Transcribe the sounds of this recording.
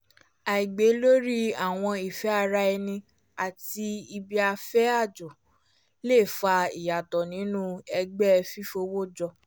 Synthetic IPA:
a˨i˨ɡ͡be˨˦lo˦ɾi˦a˦˨w̃ɔ̃˧i˨fɛ˨˦a˦˧ɾa˧ɛ˧nĩ˧ | a˨ti˧i˧bi˧a˧fɛ˦a˦˨d͡ʒo˨ | le˦˨fa˧i˨ja˨tɔ˨nĩ˨˦nũ˦ɛ˧ɡ͡bɛ˦˧fi˦fo˧wo˦d͡ʒɔ˧

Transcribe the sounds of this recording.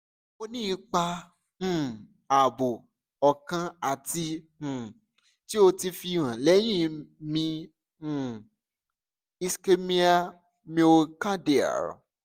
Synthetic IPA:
o˧nĩ˦i˧k͡pã˧˨ | a˨bo˨ | ɔ˨kã˧a˨tĩ˧˨ | ti˦o˧ti˧fi˧˨ɾ̃ã˨lɛ˨˦j̃ĩ˦˨˧mĩ˧˨ | i˧ske˧mĩ˦a˦ | mĩ˧o˧ka˦de˨a̰˨ɾɔ̰˨

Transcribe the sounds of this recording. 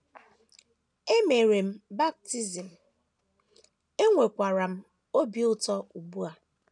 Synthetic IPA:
e˦me˨ɾe˨m̩˦ba˦k̚ti˦zi˨m̩˨ | e˦ŋʷe˨kʷa˨ɾa˨m̩˦ | o˦bi˦ʊ˦tɔ˦u˨bu˦a˨

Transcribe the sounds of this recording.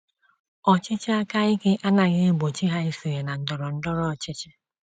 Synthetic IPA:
ɔ˨t͡ʃɪ˦t͡ʃɪ˦a˦ka˦ɪ˦kɪ˦ʔa˦na˨ɣɪ˦ɡ͡bo˨t͡ʃi˦ɦa˦i˦su˨ɣe˨na˨n̩˦dɔ˨ɾɔ˨n̩˦dɔ˦ɾɔ˦˨t͡ʃɪ˦t͡ʃɪ˦

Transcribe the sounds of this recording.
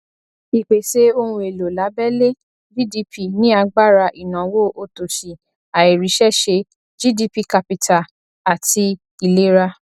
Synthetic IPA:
i˨k͡pe˨ʃe˨˦o˧ũ˧˦e˨lo˨la˨˦bɛ˦le˦ | vi˦di˧˦pi˦˨nĩ˦a˧ɡ͡ba˦˨ɾa˧ʔi˨nã˨wo˦ʔo˧to˨ʃi˨ | a˨i˨ɾi˨˦ʃɛ˦ʃe˧ | d͡ʒi˦di˧pi˦ka˨pi˨tʰa˨ | a˨ti˧ | i˨le˦ɾa˦

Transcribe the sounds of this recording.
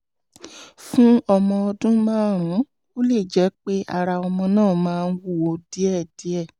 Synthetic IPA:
fũ˦ɔ˧mɔ̃˧ɔ˧dũ˦mãː˦ɾ̃ũ˨˦ | o˦le˦˨d͡ʒɛ˨˦k͡pe˦ʔa˧ɾa˧ɔ˧mɔ̃˧nãː˦˨mãː˦˧n̩˦wu˦˨wo˧di˦ɛ˦˨d̥i˨˦ɛ˦˨

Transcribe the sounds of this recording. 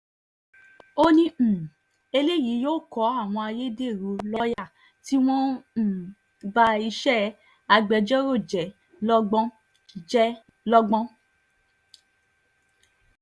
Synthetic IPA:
o˦nĩ˧˨ | e˧le˦˨ji˨˦joː˦˨kɔ˨˦a˦˨w̃ɔ̃˧a˧je˦de˦˨ɾu˨˦lɔ˦ja˦˨ | ti˦w̃ɔ̃˦˨ | ba˧i˧ʃɛ˦ | a˧ɡ͡bɛ˨˧d͡ʒɔ˦ɾo˦˨d͡ʒɛ˨ | lɔ˦ɡ͡bɔ̃˦ | d͡ʒɛ˦ | lɔ˦ɡ͡bɔ̃˦

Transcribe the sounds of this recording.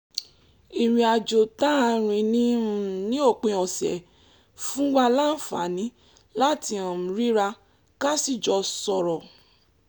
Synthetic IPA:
i˨ɾi˨a˧d͡ʒo˨ta˦˧ɾ̃ĩ˧nĩ˦ũ˦˨nĩ˦o˦˨k͡pẽ˧ɔ˨sɛ̰˨ | fũ˦wa˧la˦n̩˦˨fa̰˨˦nĩ˨˦ | la˦ti˧˦ã˨m̩̃˨ɾi˦ɾa˧ | ka˦si˦˨d͡ʒɔ˧sɔ˧ɾɔ˨

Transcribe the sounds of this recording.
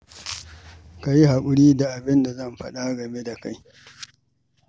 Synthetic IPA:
ka˨ji˦ɦa˨kʷʼʊ˦ɽiː˦da˨ʔa˨bɪ˦nda˨zɐ˦˨mɸɐ̰˦ɗa˦ɡɐ˨me˦da˨ka˦j

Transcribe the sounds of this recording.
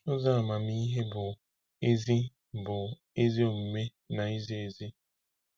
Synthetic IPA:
ʊ˦za˦a˨ma˨mi˦ɦe˦bʊ˨ | e˦zi˦ | bʊ˨ | e˦zi˦o˨m̩˨me˦ | na˨i˦zi˦e˨zi˦

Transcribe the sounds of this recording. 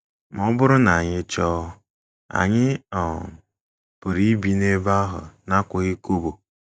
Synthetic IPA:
m˨ɔ˦bʊ˦ɾʊ˦na˨a˨ɲɪ˦t͡ʃɔː˦ | a̰˨ɲɪ˦ɔ˨ | pʊ˨ɾi˦bi˨ne˦ba˦ɦʊ̰˨na˦kʷʊ˨ɣɪ˦ko˦bo˨

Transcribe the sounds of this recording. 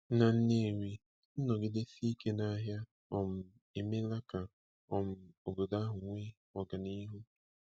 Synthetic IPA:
na˨n̩˦ne˦˨wi˦ | n̩˦nɔ˨ɡɪ˦de˦si˦ke˦na˦ɦja˦ | ɔ˦˨m̩˨ | e˨me˦la˦ka˨ | ɔ˨m̩˦o˨bo˨da˦ɦʊ˨ŋʷe˦ | ɔ˨ɡa˨ni˦ɦu˦

